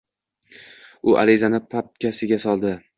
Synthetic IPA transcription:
ʊʔa̰ɾɪzanɪpʰap̚kʲʰasɪɡʲasɒlˠd̪ɪ

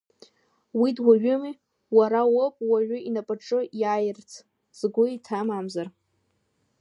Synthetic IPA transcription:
widwaɥʊmi | waɾawopʼwaʒʊinapʼaʈ͡ʂʼɨjajɪrt͡sʰ | z̥ɡʷʊitʰamamzar

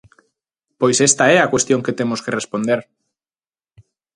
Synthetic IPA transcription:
pojsest̪aɛakwest̪joŋket̪emoskerespond̪eɾ

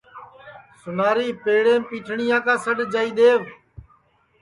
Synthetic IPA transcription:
sʊnaːɾiːpeːɽẽːpiːʈʰɳɪjãːkãːsəɗd͡ʒaːiːɗ̪eːʋ

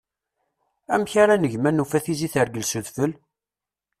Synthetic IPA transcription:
æmçaɾanəʝmænufæθiziθəɾɡəlsuðfəl

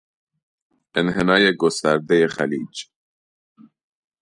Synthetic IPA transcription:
enɦenɑːjeɡost̪aɾd̪ejeχæliːd͡ʒ

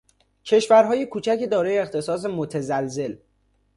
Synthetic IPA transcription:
cʰe̞ʃvæɾɦɒːjekʰuːt͡ʃʰæced̪ɒːɾɒːjeːxt̪ʰe̞sɒːs̬e̞mot̪ʰezælze̞l

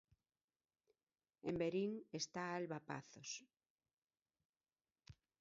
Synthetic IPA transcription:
embeɾiŋest̪aalβapa̰θos

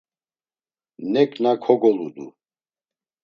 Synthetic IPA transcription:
nɛkʼnakʰɔɡɔlud̪ṵ

